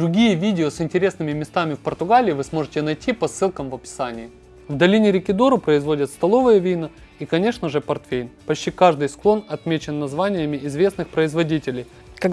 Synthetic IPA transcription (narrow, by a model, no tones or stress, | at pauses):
d̪ɾʊɡʲijəvʲidʲɪosɪnʲtʲɪɾʲe̞snɨmʲɪmʲɪst̪amʲɪfpərt̪ʊɡalʲɪːvɨsmo̞ʐɨtʲɪnɐjtʲipɐsːɨlˠkəmvɐpʲɪ̥sanʲɪjɪ | vd̪ɐlʲinʲɪɾʲɪkʲɪd̪o̞ɾʊpɾəɪzvo̞dʲɪt̪st̪ɐlˠo̞vɨjəvʲijnə | ikɐnʲe̞ʂnəʐɨpɐrt̪fʲejnpɐt͡ɕʲtʲikaʐd̪ɨjsklˠo̞nɐt̪mʲet͡ɕɪnːɐzvanʲɪjəmʲɪɪzvʲe̞snɨxpɾəɪzvɐdʲitʲɪlʲɪj | kɐ